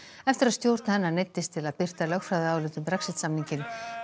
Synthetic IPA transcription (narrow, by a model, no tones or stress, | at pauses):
ɛft̪ɪɾaðst̪jowɾt̪hɛnːanejt̪ːɪst̪ʰɪlaðpɪr̥t̪alœxfɾajðɪaːwlʏːt̪ʏmpɾaksɪt̪samniɲcɪn